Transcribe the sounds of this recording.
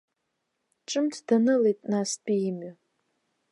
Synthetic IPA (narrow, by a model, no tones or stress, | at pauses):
ʈ͡ʂʼɨmtʰd̥anɨlejtʼnasdiɪmɥa